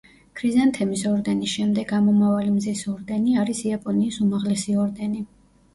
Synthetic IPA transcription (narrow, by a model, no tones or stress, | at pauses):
kʰɾizant̪ʰɛmisɔɾd̪ɛnisʃɛmd̪ɛɡamɔmavalimzisɔɾd̪ɛniaɾisiapʼɔniːsumaʁlɛsiɔɾd̪ɛni